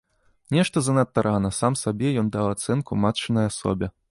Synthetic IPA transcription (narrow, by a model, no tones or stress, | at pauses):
nʲɛʂt̪ɐzɐnɐt̪ːaɾanɐsamsabʲɛjɔnd̪awat̪sɛnkumat͡ʂɨnɐjasɔ̰bʲɛ